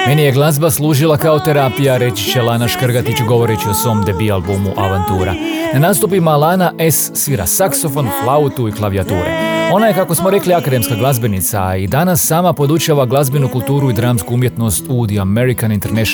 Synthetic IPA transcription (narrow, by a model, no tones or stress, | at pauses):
me̞nije̞ɡlˠazbaslˠuːʒilˠakaot̪e̞ɾaːpijaɾe̞t͡ɕi̥t͡ɕe̞lˠanaʃkrɡat̪it͡ɕɡo̞ʋo̞ɾet͡ɕiosʋo̞md̪ebialˠbumuʔa̰ʋant̪uːɾa̰nanaːst̪upimalaːnaʔesːʋiɾa̰sakso̞fo̞nflˠaut̪uiklˠaʋijat̪ṵːɾa̰o̞naje̞kako̞smo̞ɾe̞kliakad̪e̞mskaɡlˠazbe̞nit̪sa̰id̪anasːaːmapo̞d̪ut͡ʃaʋaɡlˠazbenukulˠt̪uːɾuid̪ɾaːmskuumje̞t̪no̞st̪uːd̪iame̞ɾikanint̪eɾneʃ